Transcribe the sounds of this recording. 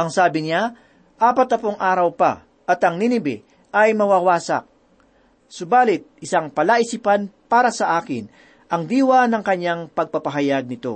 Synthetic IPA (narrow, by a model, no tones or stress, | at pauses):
ʔɐŋsaːbɪna | ʔaːpɐt̪ːɐpoŋʔaːɾɐwpɐ̰ | ʔɐt̪ɐŋninɪbɪ̰ | ʔɐjmɐwaːwaːsɐ̰k̚ | sʊbaːlɪt̪̚ɪsaŋpɐlaʔɪsipanpaːɾɐsɐʔaːkɪ̰n | ʔɐŋd̪iːwɐnɐŋkɐɲjaŋpɐɡ̚pɐpɐɦɐjaɡ̚nɪt̪o̞̰